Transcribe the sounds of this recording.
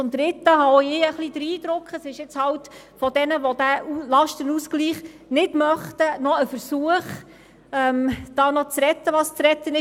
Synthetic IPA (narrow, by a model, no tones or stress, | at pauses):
t͡sʊmd̪ɾɪt̪ːəɦɑoɪəχlidɾiːd̪ɾʊkχəsɪʃjɛt͡shɑwt | fɔd̥ɛnəʋɔd̥æulɑʃtənuskliːχ | nɪdmœχtənɔəfəɾsuəχ | ɛmd̥ɑːnɔt͡sɾɛt̪ːəʋɑst͡sɾɛt̪ːənɪ